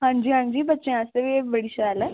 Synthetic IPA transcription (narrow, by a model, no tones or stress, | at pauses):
ɦãɲd͡ʑiːɦãɲd͡ʑiːbətːt͡ɕẽəsəʋeʋəɽiɕəalə